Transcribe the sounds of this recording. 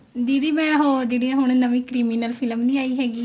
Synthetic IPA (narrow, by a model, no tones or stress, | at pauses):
d͡ʒ̪iːɽiːmɛ̃ːɦoːd͡ʒeːɽiːãɦʊɳ̃nəmĩːkɾiːmiːnəlpʰɪləmnĩːaːiːɦɛːɡiː